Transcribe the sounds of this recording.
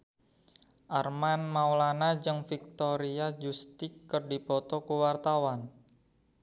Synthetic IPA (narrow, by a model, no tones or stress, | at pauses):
ʔarmanmawlanad͡ʒɨŋfik̚t̪ɔɾiad͡ʒust̪ɪkːərdipɔt̪ɔkuwart̪awan